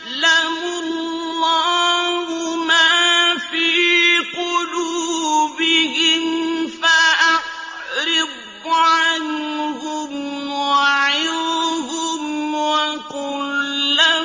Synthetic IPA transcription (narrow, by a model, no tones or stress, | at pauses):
lamʊlː | aːhʊmafiːqʊluːbɪɦɪmfaʔaq | ɾɪb | ʕanhʊmwaʕɪlhʊmwaqʊlːa